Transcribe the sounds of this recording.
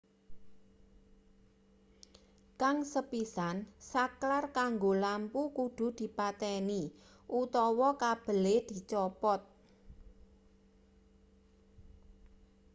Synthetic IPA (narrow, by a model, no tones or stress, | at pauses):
kaŋsəpisansaklarkaŋɡolampukud̪̥ṳd̪̥i̤pat̪ɛni | ʔut̪ɔwɔkab̥ə̤led̪̥i̤t͡ʃɔpɔt̪̚